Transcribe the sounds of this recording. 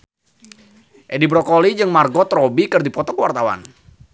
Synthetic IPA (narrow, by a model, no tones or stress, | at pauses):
ʔɛdibɾɔkɔlid͡ʒɨŋmarɡɔt̪rɔbikɨrdipɔt̪ɔkəwart̪awa̰n